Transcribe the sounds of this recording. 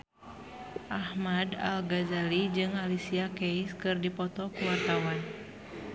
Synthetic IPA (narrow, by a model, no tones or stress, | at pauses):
ʔahmada̰lɡazalid͡ʒɨŋalisiakejskɨrdipɔt̪ɔkuwart̪awan